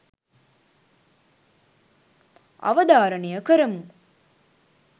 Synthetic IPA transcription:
ɐ̰ʋɐd̪aːɾɐnejɐkəɾɐmu

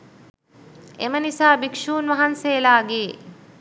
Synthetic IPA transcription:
emənisaːbikʂuːnʋaɦanseːlaːɡeː

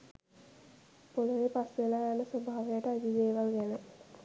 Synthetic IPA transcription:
poləʋepasʋelaːjanəsobʱaːʋejaʈəad͡ʒiʋeːʋalɡænə

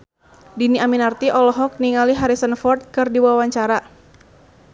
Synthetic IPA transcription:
diniaminart̪iʔɔlɔɦɔk̚niŋaliɦaɾisənfɔrt̪̚kɨrdiwawaɲt͡ʃaɾa

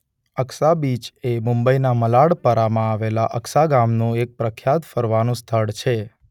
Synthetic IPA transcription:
əksabit͡ʃemʊ̃mbəinaməlaɽpəɾamãaʋelaʔəksaɡamnũek̚pɾəkʰjat̪fəɾʋanũst̪ʰəɭt͡ʃʰe

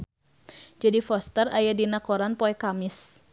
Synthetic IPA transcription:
d͡ʒadifɔst̪ərajadinakoɾanpɔɛkamɪs

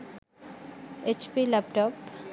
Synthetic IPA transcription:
et͡ʃpilɐp̚ʈɔp

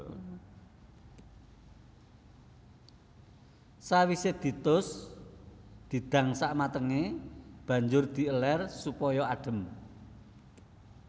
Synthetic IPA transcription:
sawised̪̥i̤t̪ʊs | d̪̥i̤d̪̥ä̤ŋsaʔmat̪əŋeb̥ä̤ɲd͡ʒʊrd̪̥i̤əlɛrsupɔjɔaɖ̥ə̤m

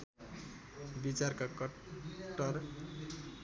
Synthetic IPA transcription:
bit͡sarkakʌ | ʈʌr

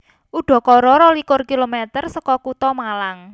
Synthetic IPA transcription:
ʔuɖ̪̥ɔ̤kɔɾɔɾɔlikʊrkilomɛt̪ərsɔkɔkut̪ɔmalaŋ

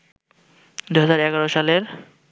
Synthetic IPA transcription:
d̪ujɦazaɾɛɡaɾoʃaleɾ

